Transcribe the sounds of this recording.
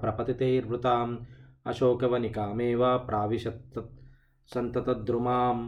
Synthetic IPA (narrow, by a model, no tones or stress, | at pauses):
pɾɐpɐt̪it̪eːɾbɾut̪aːɐmɐ̰ʃoːkɐʋɐnikaːmeːʋaːpɾʔaːʋiʃɐt̪ | sɐnt̪ɐt̪ɐd̪ɾumaːm